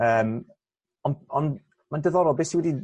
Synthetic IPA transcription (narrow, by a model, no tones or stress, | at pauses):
əːm | ɔnɔn | mandəðɔɾɔlˠbɛːsiwɛdi